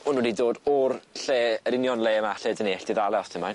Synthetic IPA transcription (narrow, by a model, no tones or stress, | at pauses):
ʊnudidoːdɔrɬeːəɾɪnjɔnlˠeːmaɬɨdəneːɬd̥ɪðalˠɛɔstʰɪmajn